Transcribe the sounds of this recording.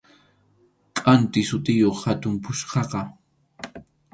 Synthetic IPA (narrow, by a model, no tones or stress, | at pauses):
kʼant̪ɪsʊt̪ɪjoχhat̪ʊmpʊʃqɑqɑ